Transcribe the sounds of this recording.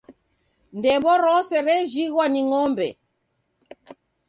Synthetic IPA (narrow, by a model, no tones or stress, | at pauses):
ndɛmbɔɾɔsɛɾɛʒiɣwaniŋɔmbɛ̰